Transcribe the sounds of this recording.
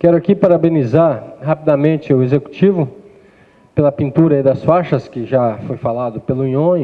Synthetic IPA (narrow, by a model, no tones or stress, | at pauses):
kɛɾʊakipaɾabẽnizaɾɦapid̪amẽnt͡ʃɪʊezeku̥t͡ʃivʊ | pelɐpĩnt̪uɾɐid̪ɐsfaʃɐskɪʒafojfalad̪ʊpelʊĩɲõɪ